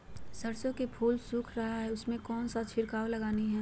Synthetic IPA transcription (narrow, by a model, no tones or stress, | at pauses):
sɐɾsõkepʰuːlsʊkʰɾɐɦaɦɛʊsmẽkɔːnsat͡ʃʰɪɾkaːwlɐɡaːniɦɛː